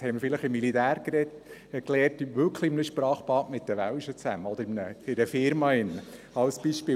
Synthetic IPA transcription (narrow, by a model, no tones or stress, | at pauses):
hɛɪməɾfɪləχɪmːilit̪æːɾkɾɛtklɛːrtʋʏkʰlˠiɪmənəʃpɾɑːχpɑːtmɪt̪̚d̥əʋælʃət͡sæməɔd̪əɾɪmnəɪdəfɪɾmɑɪnːə | ɑlsb̥iːʃpɪː